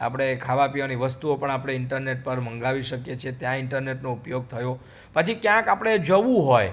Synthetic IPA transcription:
a̰pəɽ̃ekʰaʋapiʋaniʋəst̪uopəɳapɽ̃eɪɳʈəɾneʈ̚pəɾməŋɡaʋiʃəkjet͡ʃʰet̪jãɪɳʈəɾneʈnoupjoɡ̚t̪ʰəjo | pət͡ʃʰikjãkapəɽ̃ed͡ʒəʋũɦoj

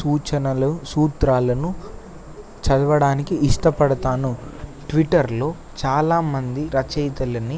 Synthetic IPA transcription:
suːt͡ʃɐnɐlɐsuːt̪ɾaːlɐnu | t͡ʃɐd̪ɐʋɐɽaːnikiːʂʈɐpɐɽɐt̪aːnuʈʋiʈːɐɾlo̞ː | t͡ʃaːlaːmɐnd̪iɾɐt͡ʃɐjt̪ɐlɐni

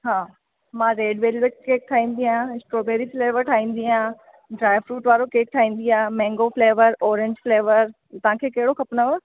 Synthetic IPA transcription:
ɦaː | mãːɾeːɖʋeːlʋɪʈkeːk̚t̪ʰaːɦĩːn̆d̪iãɪsʈɾoːbeːɾifleːʋəɾʈʰaːĩːn̆d̪iãː | ɖɾaːɪfɾuːʈʋaːɾokeːk̚ʈ̪ʰaːɦĩːn̆d̪iaːmɛ̃ːŋɡofleːʋəɾɔːɾɪ̃ɲd͡ʑfleːʋəɾ | t̪ɐʋ̤ãːkʰeːkɐɦɪɽoxɐpnəʋo

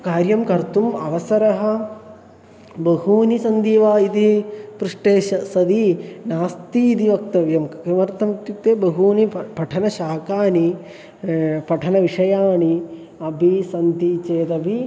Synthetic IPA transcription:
kaːɾjɐmkɐɾt̪umɐʋɐsɐɾɐɦɐ | bɐɦuːnisɐnd̪iːʋaːid̪ipɾuʂʈeːʃɐsɐd̪inaːst̪iːd̪iʋɐkt̪ɐʋjɐmɐʋɐɾt̪ɐmɐk̚t̪jut̪ːeːbɐɦuːnipɐʈʰɐnɐʃaːkaːni | pɐʈʰɐnɐʋiʂɐjaːɳi | ɐbʱisɐnt̪it͡ʃeːd̪ɐbʱi

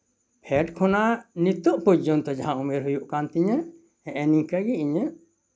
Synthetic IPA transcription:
pʰɛʈkʰɔnanit̪ɔʔpud͡ʒd͡ʒɔnt̪ɔd͡ʒaɦãʔumɛɾɦujuʔkant̪iɲə | ɛ̃ʔɛniŋkəɡiʔiɲəʔ

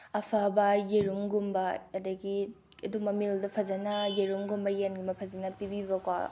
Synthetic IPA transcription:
ɐpʰabɐjeɾumɡumbɐɐdɐɡi | ɐdumɐmildɐpʰɐzɐnɐjeɾumɡumbɐjenɡimɐpʰɐzɐnɐpibibɐkwa̰

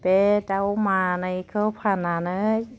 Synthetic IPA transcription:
pedawmaːnajkʰəpʰananɯj

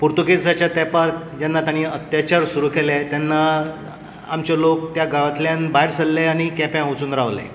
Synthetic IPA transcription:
puɾt̪ukesat͡ɕjat̪ɛpaɾ | d͡ʑanːat̪jãñiːət̪jat͡ɕaɾsuɾuːkelet̪janːa | a̰mt͡ɕalok̚t̪jaɡaʋət̪ljanbajɽsəlleaɽ̃ikɛpjãwt͡suːnɾaʋlḛ

